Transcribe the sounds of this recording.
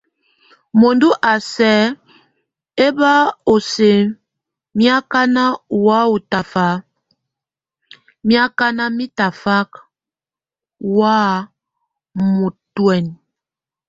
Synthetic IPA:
mo˨ndu˦ʔa˨sɛ˨˦ | e˦ba˦o˨se˨ | mi˦a˦ka˦na˦˨wa˦u˨ta˨fa˦ | mi˦a˦ka˦na˦mi˦ta˨fa˦k | wa˦ | mu˨twɛ˨n

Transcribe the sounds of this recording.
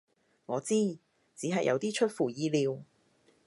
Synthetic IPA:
ŋɔː˨˧t͡siː˥ | t͡siː˨˥ɦɐ˨jʔɐ̰˨˧wt̪iː˥t͡ʃʰɵ˥t̚fuː˨˩jiː˧liː˨˧w

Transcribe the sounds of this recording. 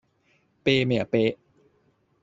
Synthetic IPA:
peː˧mi˨˩ə˦peː˧

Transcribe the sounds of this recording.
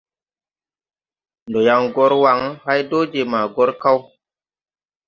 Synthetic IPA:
ndo˨ja˨ŋɡɔ˦ɾwa˨˦ŋha˦jdo˦d͡ʒe˨ma˨ɡɔ˦ɾka˦w

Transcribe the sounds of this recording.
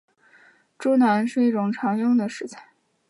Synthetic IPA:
ʈ͡ʂu˥˧na˧˥nʂɻ̩˥˧i˥˩ʈ͡ʂʊ˨˩ŋʈ͡ʂʰɑ˧˥ŋjʊ˥˩ŋd̪ə˩ʂɻ̩˧˥t͡sʰa˥˩ɪ

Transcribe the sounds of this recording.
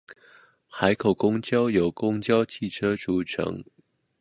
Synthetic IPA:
xa˧˥ɪkʰo˨˩ʊkʊ˥ŋt͡ɕjɑ˥ʊjo˨˩ʊkʊ˥ŋt͡ɕjɑ˥ʊt͡ɕʰi˥˩ʈ͡ʂʰɤ˥ʈ͡ʂu˨˩ʈ͡ʂʰɤ̰˧˥ŋ

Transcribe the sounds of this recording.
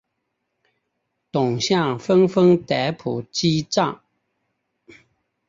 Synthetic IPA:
t̪ʊ˨˩ŋɕja˥˨ŋfə˦ŋfə˦ŋt̪ɛ˨˧˦pʰṵ˨˩t͡ɕi˦t͡sa˥˨ŋ

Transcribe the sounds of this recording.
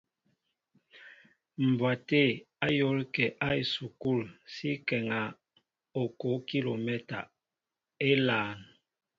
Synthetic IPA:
m̩˨bwa˨te˦˨ | a˦jo˨˦lkɛ˨ʔa˦e˨su˨ku˦˨lsi˦kɛ˨ŋa˨ | o˨ko˨˦ki˦lo˨mɛ˦ta̰˨ | e˦laː˨˦˨n

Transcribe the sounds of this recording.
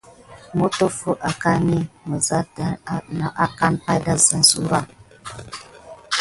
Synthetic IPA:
mo˦to˦fo˦ʔa˨ka˦ni˦mo˨za˦tna˨ʔa˦ka˦npa˦jda˦za˨n̩˨su˦ɾa˦˨

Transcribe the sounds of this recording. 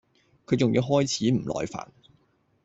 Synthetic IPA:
kʰɵ˨˧ɥt͡sʊ˨ŋjiː˨˧wɦɔː˥jt͡sʰiː˨˥m̩˨˩lɔ̰ː˨˧jfa̰ː˨˩n

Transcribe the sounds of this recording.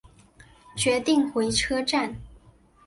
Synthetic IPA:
t͡ɕɥɛ˧˥t̪i˥˩ŋxwe˧˥ɪʈ͡ʂʰɤ˥ʈ͡ʂa˥˩n

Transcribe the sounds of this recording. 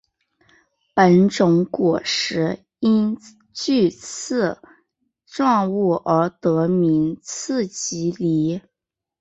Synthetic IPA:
pə˧˥nʈ͡ʂʊ˧˥ŋkwɔ˨˩ʂɻ̩˧˥ | i˥n | t͡ɕy˥˧t͡s̩ʰ˥˧ | ʈ͡ʂwɑ˥˧ŋu˥˩ʔə˞˧˥t̪ɤ˧˥mi˧˥ŋt͡sʰɹ̩˥˩t͡ɕi˧˥li˧˥

